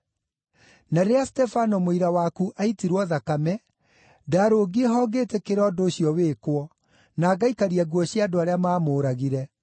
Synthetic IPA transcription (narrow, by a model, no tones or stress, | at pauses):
naɾeastɛfanɔmoiɾawakuʔaitiɾwɔðakamɛ | daːɾoːɡieɦɔːɡeːtɛkeɾɔːdoːɕjɔweːkwɔ | naːɡaikaɾiaɡwɔɕjadoaɾeamaːmoːɾaɣiɾɛ